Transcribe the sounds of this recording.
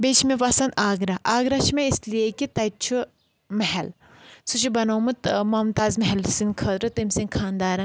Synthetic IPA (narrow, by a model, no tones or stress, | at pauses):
beːt͡ʃʰmepɐsɐnd̪aːɡɾɐʔaːɡɾɐt͡ʃʰmeisliekit̪ɐt͡ʃʰu | mɐɦɛl | sut͡ʃʰibɐnoːmɨt̪mɐːmt̪aːzmɐɦɛlsinkʰɐːt̪ɾɐt̪ɐmʲsinkʰaːnd̪aːɾɐn